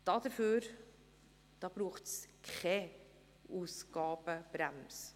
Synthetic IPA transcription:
d̥ɑd̥̪əføːɾ | d̥ɑːb̥ɾuːχtskχʰɛ | uːsɡ̥ɑːb̥əb̥ɾæms

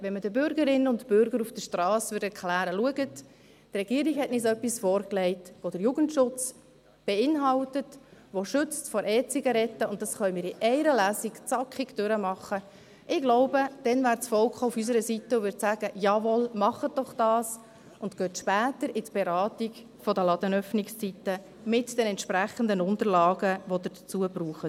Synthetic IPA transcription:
ʋɛnmədəbʏɾɡəɾɪnənʊntb̥ʏɾɡəɾufd̥əʃtɾɑːsʋʏːɾdɛɾkʰlæːɾəluəɡət | trɛɡ̥iəɾiɡhɛtnɪsœpːisfɔːɾklɛɪtʋod̥əɾjuɡ̥əntʃʊt͡s | b̥ɛɪnɦɑltətʋoʃʏt͡stfɔɾʔɛːt͡sɪɡəɾɛtːəʊnt̚d̥ɑsχœʏmɪːɾiʔɛɪɾəlæːsikt͡sɑkχɪkd̥ʏɾəmɑχːə | ʔɪɡ̥lɔʊbəd̥ɛnvæːɾt͡sfɔlkχaʊfys̬əɾəsitːəʊʋʏɾtsæːɡəjɑʋɔlmɑχət̚d̥ɔχd̥ɑːs | ʊntɡ̥øːtʃpæːtəɾɪtb̥ɛɾɑːtik | fɔdəlɑd̥ənœfnɪkst͡sitːə | mɪtd̥ɛnɛntʃpɾæχəndənʊntəɾlɑːɡəʋod̪ədət͡suəbruːχə

